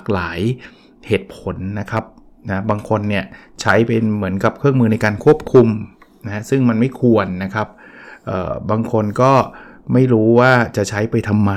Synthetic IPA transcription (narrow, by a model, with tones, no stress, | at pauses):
a˨˩k̚laː˩˦j | heː˨˩t̪̚pʰo˩˦nːa˦˥kʰa˦˥p̚ | na˦˥baː˧ŋkʰo˧nːi˥˩ɐt͡ɕʰa˦˥jpa˧jmɯ˩˦nka˨˩p̚kʰɾɯ˥˩əŋmɯː˧na˧jkaː˧nkʰu˥˩əp̚kʰu˧m | na˦˥ɦsɯ˥˩ŋma˧nma˥˩jkʰu˧ənːa˦˥kʰa˦˥p̚ʔɤ̰ː˨˩baː˧ŋkʰo˧nkɔː˥˩ma˥˩jɾuː˦˥waː˥˩t͡ɕa˨˩ʔt͡ɕʰa˦˥jpa˧jt̪ʰa˧mːa˧